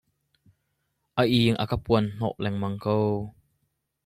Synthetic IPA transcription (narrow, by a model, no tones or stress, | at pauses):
ʔaʔiːŋʔa̰kapuənn̥ɔ̰ʔlɛŋmɐŋkow